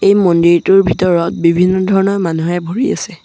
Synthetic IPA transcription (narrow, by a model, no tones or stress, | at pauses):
ejmɔndiɹtuɹbʱitɔɹɔt̚bibʱinːɔdʱɔɹɔnɔɹmanuɦɛbʱoɹia̰sɛ